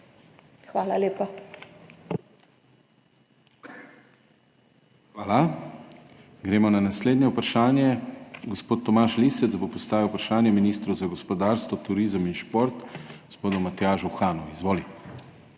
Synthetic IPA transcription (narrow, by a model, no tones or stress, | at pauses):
xʋaːlaleːpa | xʋaːla | ɡɾeːmɔnanasleːd̪njɛupɾaʃaːnjɛɡɔspoːt̪ːɔmaʃlisɛt̪zbopɔst̪aːʋiwpɾaʃaːnjɛminist̪ɾuzaɡɔspɔd̪aːɾst̪ʋɔt̪uɾiːzəminʃpoɾt̪ɡospoːd̪ɔmat̪jaːʒuxaːnɔizʋoːli